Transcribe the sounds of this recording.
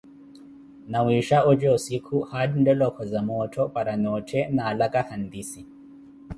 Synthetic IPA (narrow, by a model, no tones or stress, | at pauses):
nawiʃaɔd͡ʒɛusikʰuhaɗindɔlɔkʰɔzamɔtʰɔpaɾanɔtʰɛnaːlakahand̪isi